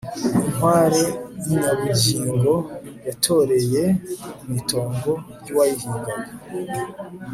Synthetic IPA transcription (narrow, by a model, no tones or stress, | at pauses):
inwaːɾejiɲaβuɟiːŋɡo̞jatʰo̞ɾe̞je̞umitʰo̞ːŋɡo̞ɾɟuwajihiːŋɡana